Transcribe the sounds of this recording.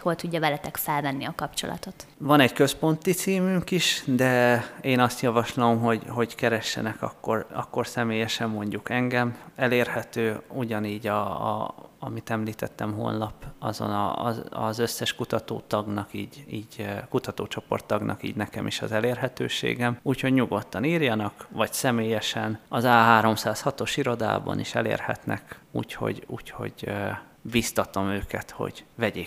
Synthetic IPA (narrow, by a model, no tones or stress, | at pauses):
ho̞lt̪uɟːɒvɛlɛt̪ɛkfɛlvɛnːiɒkɒpt͡ʃo̞̰lɒ̰t̪o̞t̪vɒnɛɟkø̞spo̞nt̪it̪siːmyŋkiʃd̪ɛeːnɒst̪jɒvɒʃlomɦo̞ɟho̞ɟkɛɾɛʃːɛ̰nɛkɒ̰kːo̞rɒ̰kːo̞rsɛmeːjɛʃɛmːo̞ɲɟukɛŋɡɛmɛleːrhɛt̪øːuɟɒniːɟɒ̰ | ɒmit̪ɛmliːt̪ʰɛt̪ːɛmɦo̰ːnːɒpɒ̰zo̰nɒzɒzøsːɛʃkut̪ɒt̪oːt̪ɒɡnɒkiːɟiːɟkut̪ɒt̪oːt͡ʃo̞po̞̰rt̪ːɒɡnʔɒ̰kiːɟnɛkɛmʔiʃɒzɛleːrɦɛt̪øːʃḛːɡɛmuːcho̞ɟɲuɡo̞t̪ːɒniːrjɒnɒkʋɒɟsɛmeːjɛʃɛnɒzaːɦaːɾo̞msaːshɒt̪o̞ʃiɾo̞d̪a̰ːbɒ̰niʃɛlḛːrhɛ̰t̪nʔɛ̰kṵːcho̞̰ɟṵːcho̞̰ɟ | bist̪ɒt̪o̞møːkɛt̪ho̞̰ɟ̥vɛɟeː